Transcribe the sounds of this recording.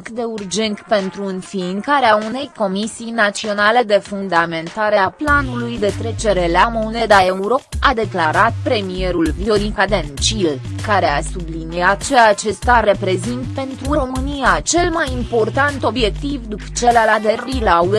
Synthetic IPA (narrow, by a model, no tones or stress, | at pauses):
kd̪e̞urd͡ʒe̞nt̪pe̞nt̪ɾuɨnfiːŋkaɾeaune̞jko̞misijnat̪sio̞nale̞d̪e̞fund̪ame̞nt̪aɾe̞aplanulujd̪e̞t̪ɾe̞t͡ʃe̞ɾe̞leamo̞ne̞d̪ae̞uɾo̞ad̪e̞klaɾat̪̚pɾe̞mije̞ɾulvioɾikad̪ent͡ʃilkaɾe̞asubliniat̪̚t͡ʃeat͡ʃe̞st̪aɾe̞pɾe̞zint̪̚pe̞nt̪ɾuɾo̞mɨnijat͡ʃe̞lmajimpo̞rt̪ant̪o̞bje̞k̚t̪ivd̪upt͡ʃe̞lalad̪erilau